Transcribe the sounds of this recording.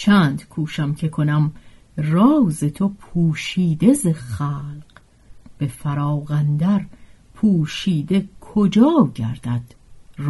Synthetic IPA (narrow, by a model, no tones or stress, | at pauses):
t͡ʃʰæːnd̪kʰuːʃæmcʰekʰo̞næm | rɒːzet̪ʰopʰuːʃiːd̪ezexæːlɢ̥ | b̥e̞fæɾɒːɣænd̪æɾ | pʰuːʃiːd̪ekʰod͡ʒɒːɟæɾd̪̥æd̪̥